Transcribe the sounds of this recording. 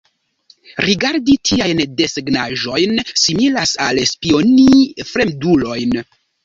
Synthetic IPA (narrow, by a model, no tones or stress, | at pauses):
ɾiɡaɾditʰiajnde̞seɡnaʒo̞jnsimilasalspio̞nifɾe̞mdulo̞jn